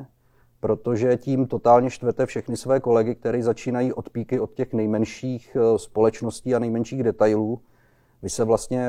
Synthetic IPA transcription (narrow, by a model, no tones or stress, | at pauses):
pɾo̞t̪o̞ʒɛciːmt̪o̞t̪aːlɲɛʃt̪vɛt̪ɛfʃɛxnɪsvɛːko̞lɛɡɪk̚t̪ɛɾiːzat͡ʃiːnajiːʔo̞t̪piːkɪo̞t̪cɛxnɛjmɛnʃiːxspo̞lɛt͡ʃno̞sciːanɛjmɛnʃiːɣdɛt̪ajluː | vɪsɛvlast̪ɲɛ